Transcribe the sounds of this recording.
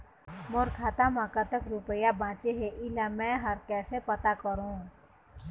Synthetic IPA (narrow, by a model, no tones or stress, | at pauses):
moːɾkʰaːt̪amãkət̪əkɾʊpəjabʱãːt͡ʃeɦeʔɪlamɛ̃ɦəɾkɛːsepət̪akəɾũː